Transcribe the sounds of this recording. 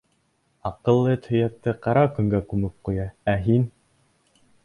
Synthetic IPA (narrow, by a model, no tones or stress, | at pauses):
ɑqɤ̆lˠːɤt̪ʰhɵ̆jæk̚t̪ːɘqɑɾɑkɵ̆ŋɡækʉmɘp̚qujɑæɦin